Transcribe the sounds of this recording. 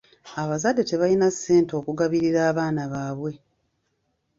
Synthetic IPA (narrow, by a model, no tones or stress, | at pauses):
aβazadːe̞te̞βalinasːe̞ːnto̞ːkuɡaβiɾiɾaːβaːnaβaːβwe̞